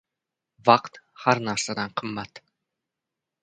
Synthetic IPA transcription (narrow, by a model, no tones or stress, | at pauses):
vɑqt̪haɾnæɾsad̪anqʰɨmːat̪